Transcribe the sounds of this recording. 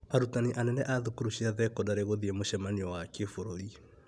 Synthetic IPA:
aɾutaniʔanɛnɛʔaðukuɾuɕiaðɛkɔdaɾeɣoðiemoʃɛmaniɔwakefoɾoɾi

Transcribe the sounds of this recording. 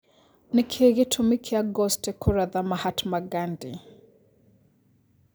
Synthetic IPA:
nɪkʰeɣɪtʰumikʰiaɡɔstɛkʰuɾaðamahatmaɡandi

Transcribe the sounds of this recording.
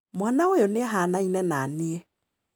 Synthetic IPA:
mwanaojɔneɦanainɛnaneɛ

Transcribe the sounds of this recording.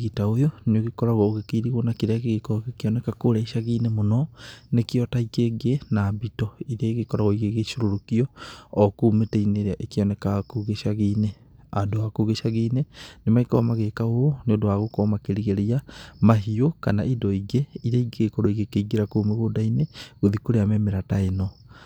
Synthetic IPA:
ɣitaojɔnoɣekɔɾaɣɔoɣekiɾiɣonakiɾaɣeɣekɔɔkekiɔnɛkakoɾɛiʃaɣinemonɔnekiɔtaikeɡenabitɔiɾeeɣekɔɾaɣɔiɣeɣeʃoɾoɾokiɔːkuːmeteineɾaʔekiɔnɛkakuɣeʃaɣine | adoakuɣeʃaɣiːnenemaikɔmaɣekaoneodoaɣokɔmakeɾiɣeɾeamaɦiokanaʔidɔiɡeiɾaiɡekoɾoiɣekeiɡeɾakoːmeɣodaineɣoðikoɾeamɛmeɾataenɔ

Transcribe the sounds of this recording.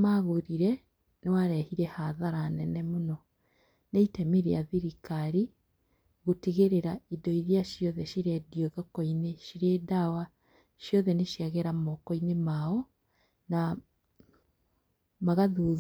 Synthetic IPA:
maɣoɾiɾɛ | newaɾɛhiɾɛhaðaɾanɛnɛmonɔ | neitɛmeɾeaðiɾikaɾi | ɣoteɣeɾeɾaidɔiɾiaʃjɔðɛʃiɾɛdiɔðɔkɔineʃiɾɛdawa | ʃjɔðɛneʃjaɣɛɾamɔkɔinemaɔ | na | maɣaðu

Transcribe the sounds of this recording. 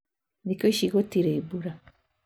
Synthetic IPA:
nikoiʃiɡotiɾeːbuɾa

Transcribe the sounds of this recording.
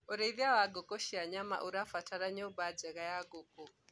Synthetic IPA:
ɔɾeiðiawaɡɔkɔʃiaɲama̰ʔuɾafatʰaɾaɲɔbad͡ʒɛɣajaɡɔkɔ

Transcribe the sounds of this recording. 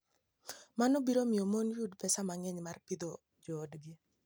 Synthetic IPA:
manobiɾomɪɔmonjudpɛsamaŋɛɲmarpid̪o | d͡ʒɔːdɡi

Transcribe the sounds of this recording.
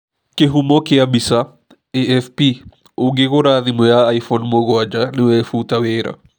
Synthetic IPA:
keɦumɔkeabisa | eɛfpi | oɡekoɾaðimɔjaːjfɔnmoɣwad͡ʒanɪwɛfutaweɾa̰

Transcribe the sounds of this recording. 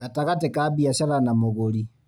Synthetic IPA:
ataɣatekaːbiaɕaɾanamoɣoɾi

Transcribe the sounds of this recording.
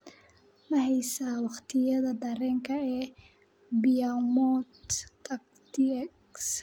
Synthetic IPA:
mɐɦɛjsaːwɑχt̪ʰɪjɐðɐd̪ɐɾɛːŋkʰɐɛː | bɪjamɔt̪ɐk | t̪iks

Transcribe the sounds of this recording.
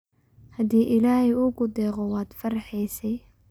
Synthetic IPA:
hɐd̪iːʔɪlaːhɛjuːɡʊd̪ɛːqɔwɑːd̪̥fɐɾħɛjsɛj

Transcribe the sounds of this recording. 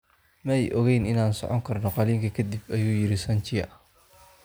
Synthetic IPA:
mɐɛjʔɔɣɛjnɪnaːnsɔ̰ʕɔŋkʰɐrnɔqɑliːŋkʰɐkʰɐd̪ibɐjuːjɪɾɪsɐnt͡ʃɪjɐ̰

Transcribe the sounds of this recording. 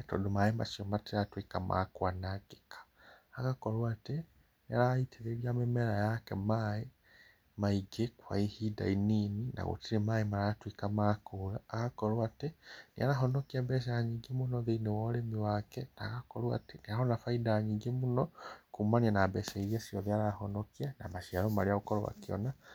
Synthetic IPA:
eto̰domajema̰ʃiomatiɾatwikama̰kwanaɡikʰḁː | kakolwate | niaɾaitiɾeβjamemeɾajakemae | maiɡekwa̰ihida̰ininina̰ɣṵtiɾemaːemaɾatwikamakulaːkakolwatenia̰ɾaɦɔnɔkiabɛʃ̬aaɲiːɡemunɔðeinewɔɾemiwakɛnakakɔɾwa̰teniahɔnafaidaːɲiːɡemunɔkumanianabɛseiɾiasijɔðiaɾahɔnɔkiana̰maʃiaɾɔmaɾiaɣokɔɾowa̰kiɔ̰na

